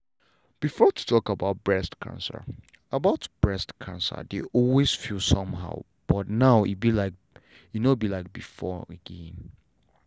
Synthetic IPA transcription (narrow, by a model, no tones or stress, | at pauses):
b̥ifɔtʰu̥tʰɔkəbaʊt̚b̥ɹɛstkʰã̰nsə̰ | əbaʊtb̥ɹɛstkʰãnsə̰deʔɔlwesfilˠsʌ̃mɦa̰ʊ | b̥ɔtnaʊḭt̚bilaɪk̚ | inobilaɪk̚bifɔəɡɛ̃n